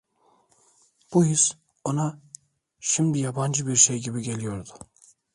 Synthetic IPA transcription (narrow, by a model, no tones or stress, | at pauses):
b̥ʊhɪs | ona | ʃɪmd̪ɪjabɑnd͡ʒɪbiɾʃejɡʲibɪɟʲe̞lijoɾd̪ʊ̥